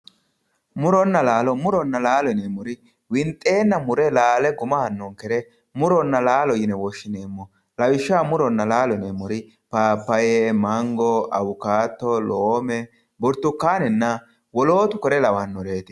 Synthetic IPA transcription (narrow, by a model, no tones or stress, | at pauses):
mʊɾɔnːɐlaːlɔmʊɾɔnːɐlaːlɔnɛmʊɾɪ | wɪnt̪ʼːe̞ːnːɐmʊɾɛlaːlɛɡʊmɐhɐnːɔŋkɛɾɛ | mʊɾɔnːɐlaːlɔjɪnɛwɔʃːɪneːmːɔ | lɐwɪʃːaːmʊɾɔnːɐlaːlɔnemʊɾɪ | paːpːɐjɛmɐŋɡɔɐ̰wʊkaːt̪ːɔloːmɛ | bɔɾt̪ːʊkːaːnɛnːɐ | wɔloːt̪ʊkɔɾɛlɐwɐnːɔɾeːt̪ɪ̥